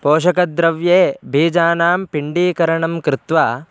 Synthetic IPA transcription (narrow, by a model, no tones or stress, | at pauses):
poːʃɐkɐd̪ɾɐʋjeːbʱiːd͡ʒaːnaːmpiɳɖiːkɐɾɐɳɐmkɾɪt̪ʋaː